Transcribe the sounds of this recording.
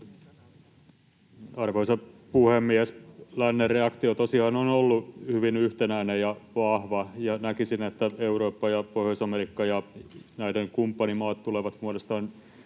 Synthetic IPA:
ɑrʋoisɑpuhemːiæslænːerreɑkt̪iot̪osihɑnonolːuhyʋinyht̪enæinejɑʋɑhʋɑjɑnækisinet̪ːæeuroːpːɑjɑpohjosɑmerikːɑjɑnæideŋkumpːɑnimɑːt̪tuleʋɑt̪muodost̪ɑːn

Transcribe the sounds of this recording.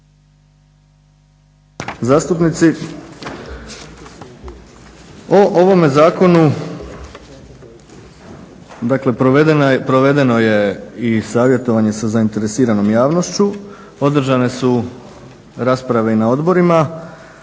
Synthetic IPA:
zaːst̪upnit̪si | oʔoʋo̞me̞zaːko̞nu | d̪akle̞pɾoed̪npɾo̞ʋe̞d̪e̞no̞je̞isaːʋje̞t̪o̞ʋaɲe̞sazaint̪e̞ɾe̞siːɾano̞mjaːʋno̞ʃt͡ɕu | o̞d̪r̩ʒane̞su | ɾaspɾaʋe̞inao̞d̪bo̞ɾima

